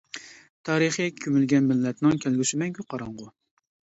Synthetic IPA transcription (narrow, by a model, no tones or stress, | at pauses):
t̪ʰɑːɾɨχikʲʰømylɡʲɛnmɪlːɛt̪nɪŋkʲʰælɡʲysɪmɛŋkʲyqʰɑɾɑɴʁʊ